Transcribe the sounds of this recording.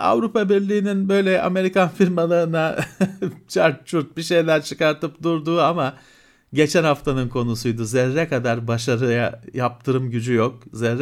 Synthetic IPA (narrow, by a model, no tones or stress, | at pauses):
a̰vɾupʰabiɾlʲiːninbø̞jlʲɛʔa̰me̞ɾikʰanfiɾmalˠɯɯna | t͡ʃʰaɾt̪̚t͡ʃʰuɾt̪̚biʃe̞jlʲæɾt͡ʃʰɯkaɾt̪ɯpd̪uɾd̪uːama | ɟe̞t͡ʃʰænhaft̪ʰanɯnkʰo̞nusujd̪uzɛɾːɛkad̪aɾbaʃaɾɯjajap̚t̪ʰɯɾɯmɟyd͡ʒyjok̚zɛɾːɛ